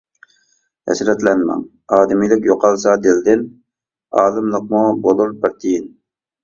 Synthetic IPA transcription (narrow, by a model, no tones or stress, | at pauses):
hɛ̰sɾɛt̪lɛnmɛ̰ŋ | ɑːd̪ɪmilˠɪkʲjoqʰɑlˠsɑd̪ɪld̪ɪn | ɑːlˠɨmlˠəq̚mubolˠuɾpɪɾt̪ʰijin